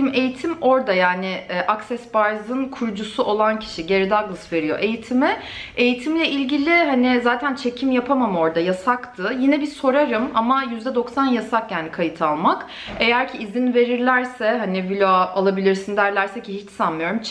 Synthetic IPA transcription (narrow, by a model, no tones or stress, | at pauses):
me̞jit̪ʰimo̞ɾd̪ajaːnɪʔaksɛsbaɾzɯnkʰuɾd͡ʒusuʔo̞lˠancʰi̥ʃiɟe̞ɾid̪aɡlˠsve̞ɾijo̞̰ʔe̞jit̪ʰimɪe̞jit̪ʰimlʲɛʔilʲɟilʲɪɦanizaːt̪ʰænt͡ʃʰe̞cʰimjapʰamamɯo̞ɾd̪ajasakt̪ʰɯjinɛbiso̞ɾaɾɯmamajyzd̪ɛd̪o̞ksanjasakjaːnikʰajɯt̪ʰalˠmak | e̞jæɾcʰiːzinve̞ɾiɾlʲæɾsɛɦanivilʲoalˠabilʲiɾsind̪æɾlʲæɾsɛcʰihit͡ʃsanmɯjo̞ɾum